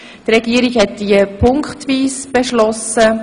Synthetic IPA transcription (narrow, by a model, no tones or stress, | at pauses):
trɛɡ̥iəɾiɡhɛtd̥iəpʰʊŋkχtviːsb̥eʃlɔsə